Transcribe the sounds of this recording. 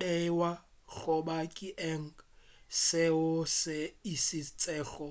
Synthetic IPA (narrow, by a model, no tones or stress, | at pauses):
ɛwa | k͡xɔbakʼiʔɛŋ̩seʊsɪisɪt͡sʼɛːɬɔ